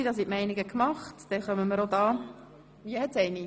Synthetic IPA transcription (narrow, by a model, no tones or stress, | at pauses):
idɑsitmɛɪniɡəkmɑχtd̥ɛnχœməməɾodɑː | viəhɛtsɛɪni